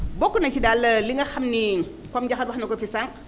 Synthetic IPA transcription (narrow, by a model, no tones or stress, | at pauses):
bokːunɐt͡ʃidalːɐliŋɡɐxɐmni | kɔmd͡ʒaxɐt̚waxnɐkofisaŋk